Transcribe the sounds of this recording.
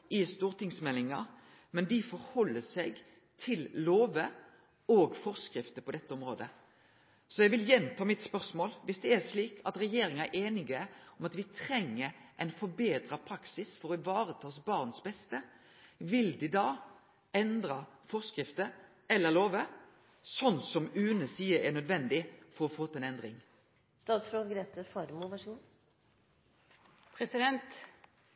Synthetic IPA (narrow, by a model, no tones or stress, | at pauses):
ɪst̪uːʁt̪ɪŋsmɛlːɪŋɑ | mɛnd̪ɪfɔɾhɔlːəsɛɡ | t̪ʰɪlloːʋə | oːɡfɔʁskɾɪft̪əpʰɔd̪ɛt̪ːəɔmɾoːd̪ə | sɔjɛʋɪljɛnt̪ʰɑːmɪt̪spœʁsmoːlʋɪsd̪ɛæʂliːkʰɑt̪ɾɛjeːɾɪŋɑæʔeːnɪɡəɔmɑt̪ʋɪt̪ʰɾɛŋːəɾʔɛɪnfɔbeːd̪ɾɑpʰɾɑksɪsfɔʁɔʋɑːɾət̪ʰɑːsbɑʁnsbɛst̪ə | ʋɪld̪ɪd̪ɑː | ɛnd̪ɾɑfɔʁskɾɪft̪ə | ɛlːəloːʋə | sɔnːsɔmʉːnəsiːəɛnœd̪ʋɛnd̪ɪfɔɾɔfoːt̪ːɛnɛnd̪ɾɪŋ | st̪ɑːt̪sfɾoːd̪ɡɾeːt̪əfɑɾmʊʋɑʂ | pʰɾɛsɪd̪ɛnt̪